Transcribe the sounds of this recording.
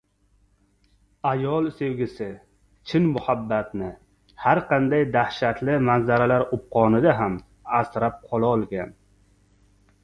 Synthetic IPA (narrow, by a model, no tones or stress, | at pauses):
ajɒlˠsewɡʲɪsɪ | t͡ʃʰɪnmʊhabːat̪nɪ | haɾqʰɑnd̪ajd̪ahʃat̪lɪmanzaɾalaɾʊp̚qʰɒnɪd̪aɦam | asɾap̚qʰɒlˠaɒlˠɡʲan